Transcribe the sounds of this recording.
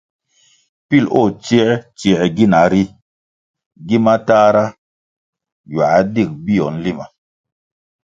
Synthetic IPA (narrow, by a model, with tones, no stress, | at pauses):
pi˦˨lo˦˨t͡ʃi˦t͡ʃi˨ɡi˦na˨˦ɾi˦ | ɡi˦ma˦taː˦ɾa˦ | ja˨a˦di˦˨k̚bi˦˨jɔ˨n˦li˦ma˨